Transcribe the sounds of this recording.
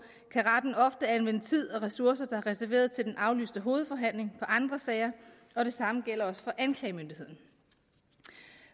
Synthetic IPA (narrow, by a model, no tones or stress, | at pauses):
kʰæʁɑd̥n̩ɒ̽fd̥əænʋen̰ət͡sʰið̞̰ˠɒ̽ʁɛsuɐsɐd̥ɑ̈æɐʁɛsæɐʋe̝̰ːɐð̞ˠt͡sʰe̝ld̥enʔɑ̈ʊly̰ːsd̥əɦo̝ːð̞̩ˠfɒ̽ɦæn̰le̝ŋpʰɒ̽ʔɑ̈nd̥ʁɐsɛɪɐ | ɒ̽ɾ̥e̝sɑ̈məɡ̥el̰ɐɒ̽sə̥fɒ̽ʔænkʰlɛɪmønd̥ihe̝ð̰ˠn̩